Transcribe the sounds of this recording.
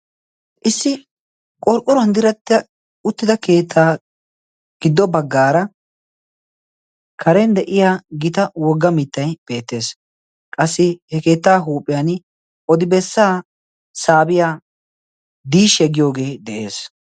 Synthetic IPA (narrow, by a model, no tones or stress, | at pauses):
ʔɪsːɪ | kʼɔɾkʼːʊɾɐnd̪ɪɾɐt̪ːɪɐ | ʊt̪ːɪd̪ɐke̞ːt̪ʰːaː | ɡ̥ɪd̪ːɔbɐɡːaːɾɐ | kʰɐɾɛnd̪ɛʔɪjaːɡɪt̪ɐwɔɡːɐmɪt̪ːɐjb̥e̞ːt̪ːe̞ːs | kʼɐsːɪhɛke̞ːt̪ːaːɦuːpʼːɪjan | ʔɔd̪ɪbɛsːaː | saːbɪjaː | d̪iːʃɛɡɪjo̞ːɡe̞ːd̪ɛʔe̞̰ːs